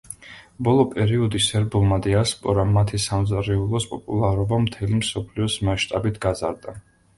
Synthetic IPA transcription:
bɔlˠɔpʼɛɾiɔd̪isɛɾbulˠmad̪ɛaspʼɔɾamat̪ʰisamzɾɛulˠɔspʼɔpʼulˠaɾɔbamt̪ʰɛlimsɔpʰliɔsmaʃt̪ʼabit̪ʰɡazaɾd̪a

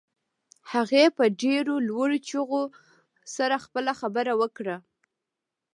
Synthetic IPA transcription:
haɣepəɖeɾolwaɽot͡ʃuɣo | saɾaxpəlaxabəɾawəkɽa

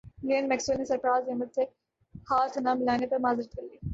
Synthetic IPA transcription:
lenmɛksəlnisɐɾpɾaːzemɐd̪ʱe | haːt̪ʰnaːmɪlaːnepɐɾmaːzɪɾt̪kɐɾliː

